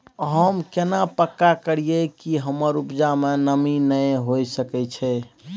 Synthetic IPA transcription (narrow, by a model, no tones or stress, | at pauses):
ɦəmkenapəkːakəɽijekiɦəməɾupd͡ʒamenəminəjɦojsəkɛt͡ʃʰɛ